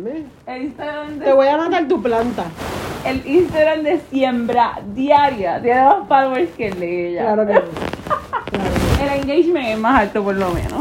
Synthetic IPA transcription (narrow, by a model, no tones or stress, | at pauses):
me | elist̪aɣɾand̪eeβojamat̪aŋt̪uplant̪aelist̪aɣɾand̪esjembɾad̪jaɾjat̪janeospaloeskelejalaɾoke | klaɾoeleŋɡejʃmẽŋemasalt̪opoɾlomḛ̃nos